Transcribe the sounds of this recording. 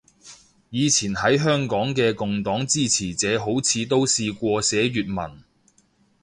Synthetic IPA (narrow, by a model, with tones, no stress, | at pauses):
jiː˨˧t͡sʰiː˨˩nɦɐ˨˥jɦœː˥ŋkɔː˨˥ŋkɛː˧kʊ˨ŋt̪ɔː˨˥ŋt͡siː˥t͡sʰiː˨˩t͡sɛː˨˥ɦo˨˥wt͡sʰiː˨˧t̪̬o˥wsiː˧kʷɔː˧sɛː˨˥ɥyː˨t̚mɐ̰˨˩n